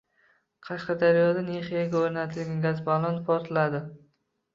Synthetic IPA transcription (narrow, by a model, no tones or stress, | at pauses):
qʰɑʃqɑd̪aɾjɒd̪ane̞χijaɡʲaoɾnat̪ʰɪlɡʲɪɡʲazbalˠɒnpʰɒɾt̪ʰɪlad̪ɪ